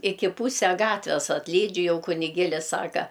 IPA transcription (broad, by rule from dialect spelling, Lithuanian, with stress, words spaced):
ˈɪkʲɪ ˈpuːsʲɛ ˈɡɑːtʲʋʲɛs ɐtʲlʲˈiːd͡ʒʲʊ ˈjɛʊ kʊnʲɪˈɡʲeːlʲɪs ˈsɑːkɐ